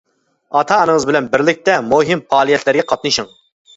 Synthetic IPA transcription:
ɑt̪ʰɑːnɨŋəzbɪlɛnbɪɾlɪk̚ʲt̪ɛmoɦimfɑːlˠijɛt̪læɾɡʲɛqʰɑt̪̚nɨʃɨŋ

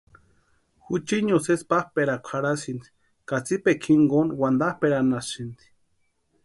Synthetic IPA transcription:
hut͡ʃiɲosespahpeɾakʷʰaɾasind̪i̥ | kat͡sipekʰiŋɡonwand̪ahpeɾanasɨnd̪i̥

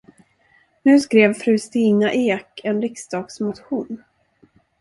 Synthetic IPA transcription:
nʉ̟ːskɾeːvfɾʉ̟ːst̪iːnaʔeːkɛnɾɪksd̪ɑːɡsmʊt̪ɧuːn

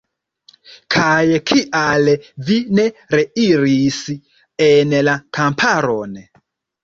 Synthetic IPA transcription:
kʰajkʰiʔalvine̞ɾeiɾis | enlakampʰaɾo̞n

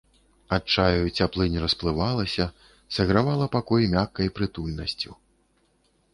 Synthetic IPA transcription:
at͡ʂajut͡sʲaplˠɨnʲɾɐsplˠɨvalˠɐsʲɐ | sɐɣɾavalˠɐpakɔjmʲakːɐjpɾɨt̪ulʲnɐsʲt͡sʲu

